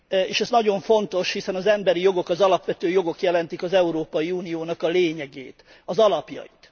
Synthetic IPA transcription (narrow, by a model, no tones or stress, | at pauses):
eːʃɛznɒɟo̞ɱfo̞nt̪o̞ʃhisɛnɒzɛmbɛɾijo̞ɡo̞kɒzɒlɒpʋɛt̪øːjo̞ɡo̞kjɛlɛnt̪ikɒzɛuɾoːpɒjiuːnijoːnɒkɒleːɲɛɡḛːt̪ | ɒzɒlɒpjɒ̰jit̪